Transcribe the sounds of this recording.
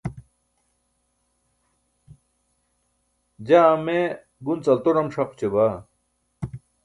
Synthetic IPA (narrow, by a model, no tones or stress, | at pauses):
d͡ʑaːme | ɡunt͡sɐlt̪oɾɐmʂɐqt͡ɕeba